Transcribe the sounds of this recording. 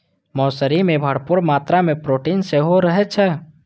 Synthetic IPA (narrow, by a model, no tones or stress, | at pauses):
mɔːsəɾimẽbʱəɽpʊɾmaːt̪ɾamẽpɾoːʈiːnseɦoɾəɦɛt͡ʃʰɛ